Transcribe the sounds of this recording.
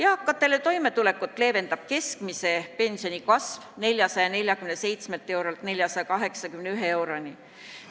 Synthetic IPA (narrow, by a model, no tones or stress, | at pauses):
jɑːkːˑɑt̪ːˑelet̪o̞jme̞t̪ule̞kːˑut̪ːˑle̞ːve̞nd̪̥ɑb̥̚ke̞skmise̞pe̞nsio̞nʲikɑsvne̞lʲjɑsɑjɑne̞lʲjɑkymnese̞jt̪smelt̪ːˑe̞wɾolt̪ne̞lʲjɑsɑjɑkɑɦe̞ksɑkymneyɦee̞wɾonʲi